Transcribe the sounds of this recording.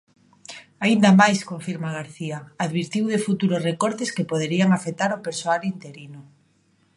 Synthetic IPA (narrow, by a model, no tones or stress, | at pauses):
aind̪amajskoɱfiɾmaɣ̞aɾθiaaðβiɾt̪iwðefut̪uɾosrekoɾt̪eskepoð̞eɾiaŋafet̪aɾopeɾsoalint̪eɾino